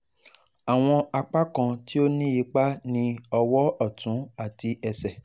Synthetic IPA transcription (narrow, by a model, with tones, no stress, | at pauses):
a˨w̃ɔ̃˧a˧k͡pa˦kã˧ti˦o˦nĩ˦ji˧˦k͡pa˦nĩ˧ɔ˧wɔ˦ɔ˦˨tũ˨˦a˦˨ti˧ɛ˧sɛ˨